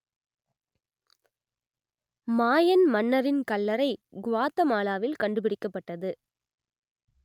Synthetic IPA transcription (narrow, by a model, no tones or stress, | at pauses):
maːjɐnmɐnːɐɾɪnkɐlːɐɾɐɪɡʊʋaːt̪ːɐmaːlaːʋɪlkɐɳɖɯpɪɽɪkːɐpːɐʈːɐðɯ